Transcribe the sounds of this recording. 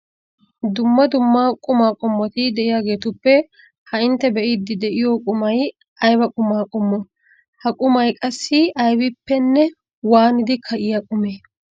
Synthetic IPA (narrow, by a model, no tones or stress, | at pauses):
d̪ʊmːɐd̪ʊmːaːkʼʊmaːkʼʊmːɔt̪ɪd̪ɛʔɪjaːɡe̞ːt̪ʊpːɛ | hɐɪnt̪ːɛbɛʔɪd̪ːɪd̪ɛʔɪjoːkʼʊmɐj | ʔɐjbɐkʼʊmaːkʼʊmːɔ | hɐkʼʊmɐjkʼɐsːɪɐjbɪpːɛnːɛ | waːnɪd̪ɪkʰɐʔɪjakʼʊmeː